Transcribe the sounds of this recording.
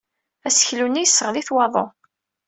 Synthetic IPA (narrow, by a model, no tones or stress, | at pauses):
æsə̥çlunːijəsːəʁðiθwɑðˤo̰